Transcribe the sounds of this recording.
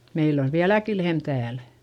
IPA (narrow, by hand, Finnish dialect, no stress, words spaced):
meilː oʋ ʋiælæki lehm tæːl